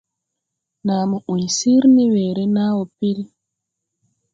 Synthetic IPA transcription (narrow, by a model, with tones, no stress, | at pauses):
naː˨mu˨ʔu˨ɲsi˦ɾni˦weː˨ɾe˦naː˦wo˨pi˦ɾi˦